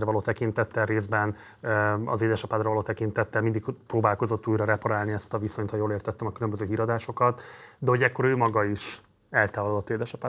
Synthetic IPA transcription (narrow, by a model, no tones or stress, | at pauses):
rɛvɒloːt̪ɛkint̪ɛt̪ːɛlreːzbɛn | ɒ̰zeːd̪ɛʃɒpaːt̪rɒvɒloːt̪ɛkint̪ɛt̪ːɛlmind̪ikproːbaːlko̞zo̞t̪ːuːjɾɒɾɛpɒɾaːlniɛst̪ɒvisoɲt̪hɒjoːleːrt̪ɛt̪ːɛmɒkylømbøzøːɦiːɾɒd̪aːʃo̞kɒt̪d̪ɛho̞ɟɛkːo̞ɾøːmɒɡɒiʃ | ɛlt̪aːvɒlod̪o̞t̪ːeːd̪ɛʃɒpaː